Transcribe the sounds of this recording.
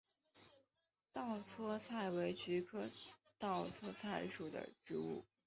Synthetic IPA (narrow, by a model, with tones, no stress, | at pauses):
t̪ɑ˥˩ʊt͡sʰwɔ˥t͡sʰa˥˩ɪwe˧˥ɪt͡ɕy˧˥kʰɤ˥t̪ɑ˥˩ʊt͡sʰwɔ˥t͡sʰa˥˩ɪʂu˨˩d̪ə̰˦ʈ͡ʂɻ̩˧˥ṵ˥˩